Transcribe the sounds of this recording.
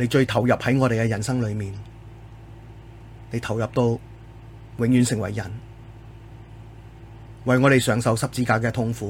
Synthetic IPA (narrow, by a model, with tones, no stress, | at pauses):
ne˨˧jt͡ʃɵ˧ɥt̪ʰɐ˨˩wjɐ˨p̚hɐ˨˥ŋɔː˨˧ɾe˨jkɛ˧jɐ˨˩nsɐ˥ŋlɵ˨˧ɥmiː˨n | ne˨˧jt̪ʰɐ˨˩wjɐ˨p̚t̪o˧w | wɪ˨˧ŋjyː˨˧nsɪ˨˩ŋwɐ˨˩jːɐ˨˩n | wɐ˨jŋɔː˨˧ɾe˨jsœː˨˥ŋsɐ˨˧wsɐ˨p̚t͡siː˧kaː˧k̬ɛː˧t̪ʰʊ˧ŋfuː˨˥